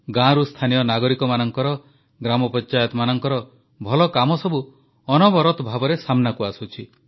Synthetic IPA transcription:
ɡãɾust̪ʰanijɔnaɡɔɾikɔmanɔŋkɔɾɔ | ɡɾamɔpɔɲt͡ʃajɔt̪ɔmanɔŋkɔɾɔ | bʱɔlɔkamɔsɔbu | ɔnɔbɔɾɔt̪ɔbʱabɔɾesamnakuasut͡ʃʰi

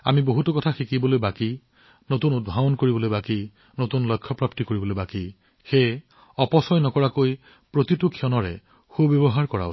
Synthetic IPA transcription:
a̰miboɦutɔkɔtʰaxikibɔlojbaki | notunud̚bʱabɔnkoɹibɔlojbaki | notunlɔjkʰːɔpɹaptikoɹibɔlojbaki | xej | ɔpɔsɔjnɔkɔɹakoj | pɹotitukʰːiɔnɔɹɛ̰ | xubbjɔbɔɦaɹkɔɹa̰

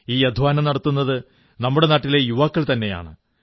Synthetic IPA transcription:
iːɐd̪ʱʋaːnɐmnɐɽɐt̪ːunːɐðɨ | nɐmːuɽe̞naːʈːile̞juʋaːkːɐɭt̪ɐnːe̞ja̰ːɳɨ

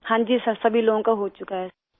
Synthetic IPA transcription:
hãːd͡ʒiːsɐsɐbʱiloːɡõkaɦot͡ʃʊkaɦɛ

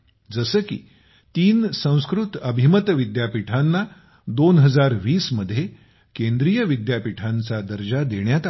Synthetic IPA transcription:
d͡zəsəːkḭː | t̪iːnsə̃w̃skɾut̪əbʱimət̪ʋid̪japiʈʰanːa | d̪onɦəd͡zaɾʋiːsməd̪ʱːje | kend̪ɾijəʋid̪japiʈʰant͡sad̪əɾd͡ʑad̪eɳjat̪

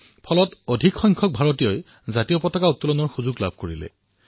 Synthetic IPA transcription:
pʰɔlɔtodʱikxɔjŋkʰɔk̚bʱaɹotijɔj | zatijɔpɔtɔkautːulɔnɔɹxuzuɡla̰bʱkoɹilɛ̰

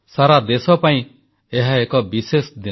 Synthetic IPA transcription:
saɾad̪esɔpaĩ | eɦaekɔbisesd̪i

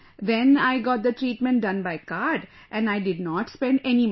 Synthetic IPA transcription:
d̪ɛ̃naɪɡɔːʈ̚d̪əʈɾiːʈmɛ̃ɳʈ̚ɖʌ̃nbaɪkaːɾɖ | ʔɛ̃naɪɖɪɖnɔːʈspɛ̃ɳɖɛnim

